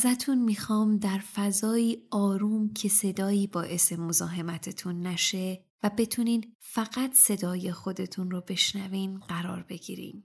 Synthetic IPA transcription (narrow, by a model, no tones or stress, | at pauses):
zæt̪ʰunmiːxɒːmd̪æɾfæzɒːiːɒːɾuːmcʰe̞se̞d̪ɒːjiːbɒːʔe̞se̞mo̞zɒːɦe̞mæt̪ʰe̞t̪ʰunːæʃe̞ | væbe̞t̪ʰuniːn | fæɣæt̪ʰse̞d̪ɒːje̞xo̞d̪e̞t̪ʰunrobe̞ʃnæviːmɢæɾɒ̰ːɾbe̞ɡḭːɾḭːm